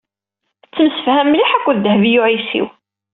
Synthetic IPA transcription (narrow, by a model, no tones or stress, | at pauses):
t͡sːəmsəfhæmːliħækʷːðd̪əhvijʊʕisḭw